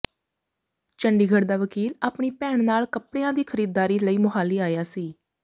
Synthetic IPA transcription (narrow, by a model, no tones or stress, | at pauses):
t͡ʃəɳɖiːɡʱəɽd̪aːʋəkiːlaːpɳiːpɛːɳnaːlkəpɽeːãːd̪iːkʰəɾiːd̪ːaːɾiːləiːmʊɦaːliːaːjaːsiː